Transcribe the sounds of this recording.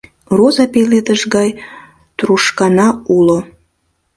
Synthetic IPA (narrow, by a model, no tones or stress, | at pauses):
rozɑpeled̪əʃɡɑj | t̪ruʃkɑnɑulo